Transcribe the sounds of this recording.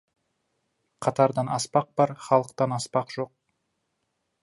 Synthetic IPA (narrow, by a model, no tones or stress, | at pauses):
qʰɑt̪ɑɾd̪ɑnɑspɑq̚b̥ɑɾχɑlˠəqt̪ɑnɑspɑqʒ̥o̞q̚